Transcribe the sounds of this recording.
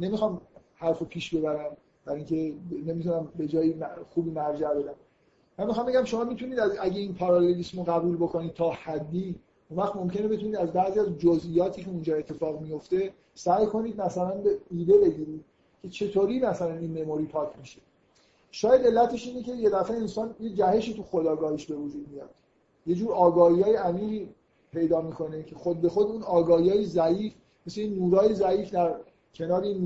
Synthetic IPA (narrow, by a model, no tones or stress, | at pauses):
ne̞mixɒːmhæɾfopʰiːʃbe̞bæɾæm | b̥æɾiŋcʰe̞ne̞mit̪ʰunæmbe̞d͡ʒɒːjimæxuːbiːmæɾd͡ʒæbe̞d̪æm | mːænmːixɒːmbe̞ɟʲæmʃo̞mɒːmit̪ʰuniːd̪æzæɟeinpʰɒɾɒlelismoɣæbuːlbokʰo̞nid̪̚t̪ʰɒːhæd̪ːiː | unvæχmo̞mcene̞be̞t̪ʰuniːd̪æzbæʔziæzd͡ʒozʔijɒːt̪ʰiːcʰe̞und͡ʒɒːe̞t̪ʰːe̞fɒːɣmijo̞ft̪e̞ | sæjkʰo̞niːd̪̚mæsælænbeiːd̪e̞be̞ɟiːɾiːd̪̥̚ | cʰe̞t͡ʃʰe̞t̪ʰoːɾiːmæsælæninmemoɾiːpʰɒːcʰmiʃe | ʃɒːjæd̪e̞lːæt̪ʰe̞ʃiːne̞ce̞je̞d̪æfeensɒːnjed͡ʒæhe̞ʃiːt̪ʰuxod̪ɒːɡɒːhiʃbe̞vod͡ʒuːd̪̚mijɒːd̪̥ | je̞d͡ʒuːɾɒːɡɒːhiɒːjeæmiːʁiː | pʰe̞jd̪ɒːmiːkʰo̞ne̞cʰexod̪̚be̞xo̞d̪unɒːɡɒːhiɒːjezæiːf | mesleinːuːɾɒːjezæiːfd̪æɾ | cʰe̞nɒːɾein